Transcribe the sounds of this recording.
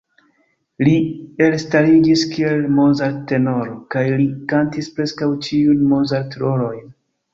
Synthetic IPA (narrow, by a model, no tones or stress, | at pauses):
lie̞lstaɾiɡiskie̞lmozaɾte̞no̞ɾokajlikantispɾe̞skawt͡ʃiunmozaɾtɾo̞lo̞jn